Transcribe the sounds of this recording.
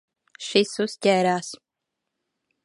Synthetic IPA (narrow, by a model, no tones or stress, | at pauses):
ʃisuscʲɛːɾaːs